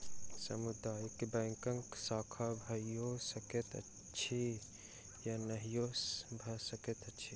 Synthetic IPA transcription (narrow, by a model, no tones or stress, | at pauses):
sɐ̰mud̪aːjkebɛ̃ːŋkɐ̃ŋksaːkʰabʱɐijosɐket̪ɐ̰ | ʃʰi | janɐɦijobʱɐsɐket̪ɐtːʃʰiː